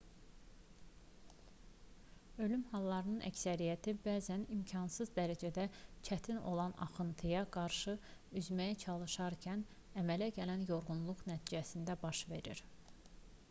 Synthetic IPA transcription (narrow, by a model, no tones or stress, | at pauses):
ø̞lymhɑlˠːɑɾɯnɯnʔæ̰csæɾijæt̪ʰibæːzænimcʰɑnsɯzd̪æɾæd͡ʒæd̪æt͡ʃʰæt̪ʰino̞̰lˠɑnɑ̰χɯnt̪ʰɯjɑɡɑɾʃɯyzmæjæt͡ʃʰɑlˠɯʃɑɾcʰæn | æmælæɟælænjo̞ɾʁunlˠuʁnæt̪ʰid͡ʒæsind̪æbɑʃve̞ɾiɾ